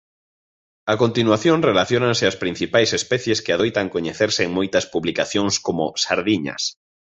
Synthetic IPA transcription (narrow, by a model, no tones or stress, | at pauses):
akont̪inwaθjoŋrelaθjonanseaspɾĩn̟θipajsespɛθjeskeaðojt̪aŋkoɲeθeɾseːŋmojt̪ɐspuβlikaθjoŋskomosaɾðiɲɐ̰s